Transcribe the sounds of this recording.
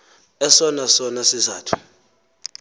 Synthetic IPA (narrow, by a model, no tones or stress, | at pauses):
ɛsɔnasɔnasiza̰ːtʰu̥